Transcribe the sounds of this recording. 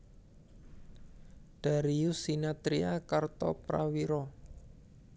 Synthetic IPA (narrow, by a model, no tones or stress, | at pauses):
d̪̥a̤ɾiusinat̪ɾiakart̪ɔ̰pɾawiɾɔ